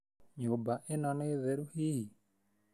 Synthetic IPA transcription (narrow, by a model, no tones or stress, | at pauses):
ɲobaʔenɔneðeɾuhii